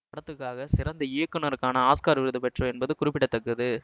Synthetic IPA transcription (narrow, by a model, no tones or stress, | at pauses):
pɐɽɐt̪ːɯkːaːɣɐsɪɾɐnd̪ɐɪjɐkːɯnɐɾɯkːaːnɐaːskaːɾʋɪɾɯðɯpɛʈrɐ̃ɛnbɐðɯkʊɾɪpːɪʈːɐt̪ːɐkːɯðɯ